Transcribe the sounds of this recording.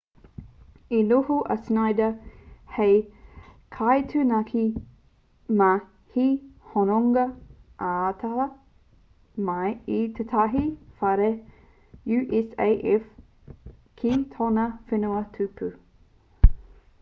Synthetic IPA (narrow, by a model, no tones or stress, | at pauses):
iluhuʔɐ̰snajdəhej | kʰajtʰʉnɐkʰi | mɐ | hihonoŋɡɐʔaːt̪ʰaɐ | mɐjit̪ʰetʰaɦifɐɾe | juʔɛsejʔɛf | kʰitʰonəfɪnuətʰʉpʰʉ